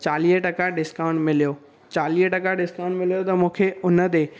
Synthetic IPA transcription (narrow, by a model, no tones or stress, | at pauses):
t͡ɕaːliːɦəʈɐkaɖɪskaːʊ̃ɳʈmɪlijoː | t͡ɕaːliːɦʈɐkaɖɪskaʊ̃ɳʈmɪlijot̪ɐmũːkʰeʊnə̆t̪̬eː